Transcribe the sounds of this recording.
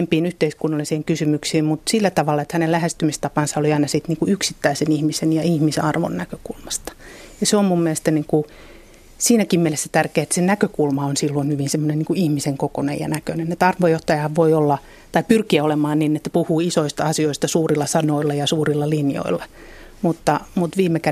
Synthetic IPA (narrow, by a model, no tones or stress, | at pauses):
empiːnyht̪eiskunːɑlisiːŋkysymyksiːmmut̪silːæt̪ɑʋɑlːɑet̪hænelæhest̪ymist̪ɑpɑnsɑoliɑinɑsit̪niːŋkuyksit̪ːæisenihmisenjɑihmisɑrʋo̰nːækø̥kulmɑst̪ɑ̥jɑseommummielest̪æniːŋku | siːnækimmielesːæ̥t̪ærkeːet̪senækøkulmɑonsilːonhyʋinsemːoneniŋkuihmiseŋkokonḛjjɑ̰nækønenet̪ɑrʋojoht̪ɑjɑɑʋʋoiolːɑ | t̪ɑipyrkiæolemɑːnninːet̪ːæpuhuːisoist̪ɑɑsioist̪ɑsuːrilːɑsɑnoilːɑjɑsuːrilːɑlinjo̰ilːɑ | mut̪ːɑmut̪ʋiːmːekæ